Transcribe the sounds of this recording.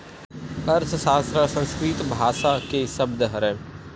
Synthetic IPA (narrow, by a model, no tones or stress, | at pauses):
ɐɾssaːst̪ɾasɐ̃nskɾiːt̪bʱaːʃakeːsɐbd̪əɦɐɾɛ̃